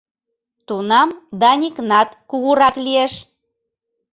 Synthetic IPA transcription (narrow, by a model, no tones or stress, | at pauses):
t̪unɑmd̪ɑnʲiknɑt̪kuɣuɾɑklieʃ